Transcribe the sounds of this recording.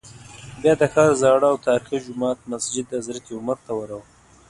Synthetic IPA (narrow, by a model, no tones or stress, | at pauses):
bjɑd̪əxɑːɾzɑɽaːwt̪ɑːɾixid͡ʒʊmɑːt̪̚masd͡ʒɪd̪azɾat̪iʊməɾt̪awəɾawə